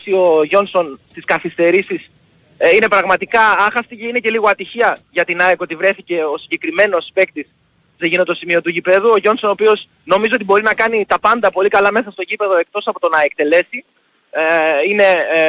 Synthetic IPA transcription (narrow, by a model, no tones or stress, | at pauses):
sio̞ʝo̞nso̞nst̪iskɐθist̪e̞ɾisis | ine̞pɾɐɣmɐt̪ikɐɐxɐst̪iceine̞ce̞liɣo̞ɐt̪içiɐʝɐt̪inɐekot̪ivɾe̞θice̞o̞siɲɟe̞kɾime̞no̞spe̞kt̪is | seʝinot̪o̞simio̞t̪uʝipe̞ðuo̞ʝo̞nso̞nopio̞s | no̞mizoo̞t̪ibo̞ɾinɐkɐnit̪ɐpɐnd̪ɐpo̞likɐlɐme̞sɐst̪o̞ʝipe̞ðo̞e̞k̚t̪o̞sɐpo̞t̪o̞nɐek̚t̪e̞le̞si | ine̞